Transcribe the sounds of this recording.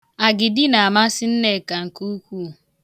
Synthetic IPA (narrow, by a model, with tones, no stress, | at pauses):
a˨ɡɪ˨dɪ˦na˨a˨ma˦sɪ˦n̩˦ne˨ka˨ŋ̩˨ku˦kʷu˦˨